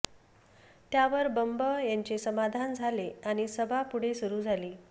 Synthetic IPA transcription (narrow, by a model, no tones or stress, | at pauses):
t̪jaʋəɾbəmbəjaɲt͡ɕesəmad̪ʱand͡zʱaleaɽ̃isəbʱapuɽ̤esuɾuːd͡zʱaliː